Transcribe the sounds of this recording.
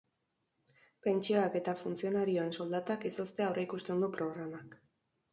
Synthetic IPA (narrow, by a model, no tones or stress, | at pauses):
pe̞nt͡ʃioake̞t̪afunt͡sio̞naɾio̞e̞nso̞ld̪at̪akiso̞st̪e̞aowreikust̪e̞nd̪upɾo̞ɣɾamak